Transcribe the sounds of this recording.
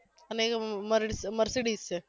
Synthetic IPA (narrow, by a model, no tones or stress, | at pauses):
ɐneːɣɐmɐɾsmɐɾsɪɽiːs